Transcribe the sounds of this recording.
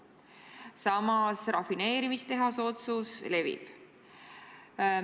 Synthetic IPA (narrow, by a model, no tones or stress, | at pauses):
sɑmɑsrɑfine̞ːɾimist̪e̞ɦɑso̞t̪susle̞vḭb̥